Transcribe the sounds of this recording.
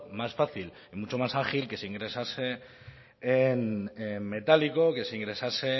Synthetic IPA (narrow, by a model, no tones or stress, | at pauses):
masfaθil | imut͡ʃo̞masaχilke̞seiŋɡɾe̞sase̞ː | nemme̞t̪aliko̞ke̞seiŋɡɾe̞sase̞